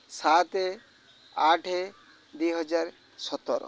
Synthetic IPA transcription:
sat̪e | aʈʰe | d̪ujɦɔd͡ʒaɾ | sɔt̪ːɔɾɔ̰

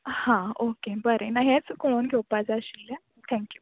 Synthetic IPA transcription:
hãokebəɾenaɦet͡skonɡʱewpad͡zəɕilːɛ | t̪ʰɛ̃ŋkju

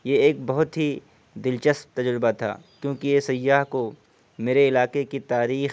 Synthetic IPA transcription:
jeeːk̚bɐɦʊt̪ɦi | d̪ɪlt͡ʃəst̚t̪ːɐd͡ʒɾɪbat̪ʰa̰ːkjõːkijesɐjːaːɦko | meːɾeɪlaːkekit̪aːɾiːx

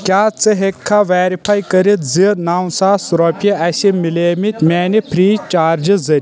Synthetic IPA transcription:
kʲaːt͡sɨɦekʰːaʋaːɾipʰajkɐɾit̪zinaːwsaːsɾopʲjiɐsimileːmit̪ʲmʲɛːnipʰɾiːt͡ʃaːɾd͡ʒɨzɐɾʲ

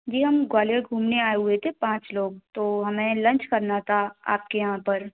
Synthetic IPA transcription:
d͡ʒiːɦɐmɡwaːljeɡʱuːmneaːeɦʊet̪ʰepãːt͡ʃloːɡ̚t̪oːɦɐmẽlɐ̃nt͡ʃkɐɾnat̪ʰaa̰ːp̚kejɐɦãpɐɾ

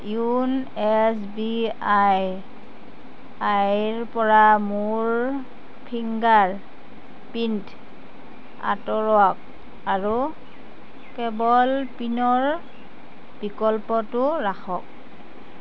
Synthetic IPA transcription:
junɛsbiaj | ajɹpɔɹamuɹ | pʰiŋɡaɹ | pint | a̰tɔɹɔak̚ | aɹu | kɛbɔlpinɔɹ | b̥ikɔlpɔtʊɹaxɔk̚

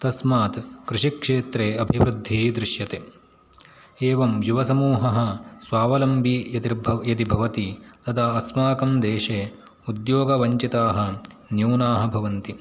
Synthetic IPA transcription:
t̪ɐsmaːt̪kɾuʂikʂeːt̪ɾeːɐbʱiʋɾud̪ʱːiːd̪ɾɪʃjɐt̪e | eːʋɐmjuʋɐsɐmuːɦɐɦɐ̆sʋaːʋɐlɐmbʱiɐt̪iɾbjɐt̪ibʱɐʋɐt̪it̪ɐt̪ʰaːɐsmaːkɐmd̪eːʃeː | ud̪joːɡɐʋɐɲt͡ʃit̪aːɦɐ̆njuːnaːɦɐ̆bʱɐʋɐnt̪i

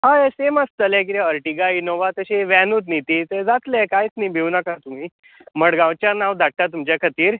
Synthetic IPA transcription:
ɦãeseməst̪əlẽk̬it̪ɛəɾʈiɡainoʋat̪əɕeʋɛnuːt̪nit̪it̪ed͡zat̪lekajt͡snibʱewnakat̪um̤iː | məɽɡãwt͡ɕjanawd̪ʱaʈːat̪umt͡ɕjakʰət̪iːɾ

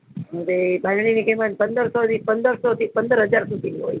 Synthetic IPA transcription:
ɦəʋebʱanɳ̃inikemanpənd̪əɾsɔt̪ipənd̪əɾsɔt̪ipənd̪əɾɦəd͡ʒaɾsud̪iniɦoj

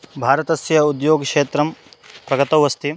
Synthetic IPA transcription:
bʱaːɾɐt̪ɐsjɐud̪joːɡkʂeːt̪ɾɐmpɾɐɡɐt̪ɐʋɐst̪i

